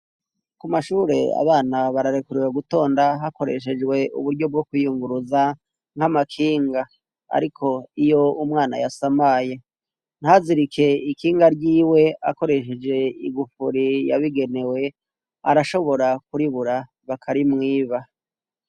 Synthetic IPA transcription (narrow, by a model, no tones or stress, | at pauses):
kumaʃuːɾe̞̰a̰βaːnaβaɾaɾekuɾiweɡuto̞ːndaɦako̞ɾeʃ̬e̞d͡ʒɡwe̞ṵβuɾɟo̞b̚ɡo̞kwijuŋɡuɾuza | ŋ̥hamakʰiːŋɡa | a̰ɾikʰo̞ijo̞umŋaːna̰jasamaːje | n̥haziɾikʰe̞ikiːŋɡaɾɟiːwe̞a̰ko̞ɾe̞ʃe̞d͡ʒe̞ḭɡufuɾija̰βiɡe̞ne̞we̞ | a̰ɾaʃo̞βo̞ɾakuɾiβuɾa | βakʰaɾimŋiːβa